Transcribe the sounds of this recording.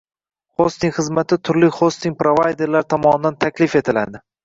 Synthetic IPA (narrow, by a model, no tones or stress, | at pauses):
χost̪ɪŋχɨzmat̪ʰɪt̪ʰʊɾlɪχost̪ɪŋ̚ʲpɾovajd̪e̞ɾlaɾt̪ʰɒmɒnɪd̪ant̪ʰakʲlɪfe̞t̪ʰɪla̰d̪ɪ